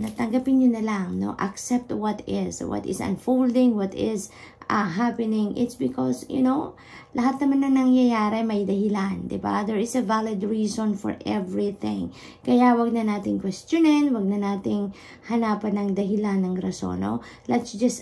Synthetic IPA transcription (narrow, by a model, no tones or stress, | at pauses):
nɐt̪ɐŋɡɐpɪnɲʊnɐlaŋno̰ʔɐ̰ksɛp̚t̪wɔt̪ɪswɔ̰t̪ɪ̰sɐ̰̃nfowld̪ɪ̃ŋwɔt̪ɪzɐɦapɛnɪ̃ŋʔɪ̰t̪sbɪkɔ̰sjʊ̰now | lʔɐɦat̪̚nɐmanːɐnɐŋjɐjaːɾɛmɐjd̪ɐhɪland̪ɪ̰ba̰d̪ɛɹɪsɐvalɪd̪ɹiːsɔ̃nfɔ̰ɹʔɛvɹiθɪ̰̃ŋ | kɐjawɐɡ̚nɐnaːt̪ɪŋkwɛst̪jʊnɛnwɐɡ̚nɐnaːt̪ɪŋ | hɐnaːpɐnɐŋd̪ɐɦɪlanːɐŋɾɐso̰no̰lɛt̪sd͡ʒɐs